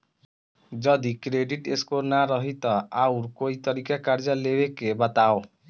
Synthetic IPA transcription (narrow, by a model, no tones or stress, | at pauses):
d͡ʒʌd̪ikɾeɖiʈeskonaɾʌɦit̪ʌawɾkoit̪ʌɾikakaɾd͡zʌlebekebʌt̪ao